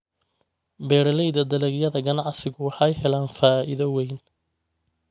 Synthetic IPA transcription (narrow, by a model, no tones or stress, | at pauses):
bɛːɾɐlɛjðɐd̪ɐlɛɣjɐðɐɡɐnɑʕsɪɣʊwɑħɑjhɛlaːnfaːʔɪðɐwɛjn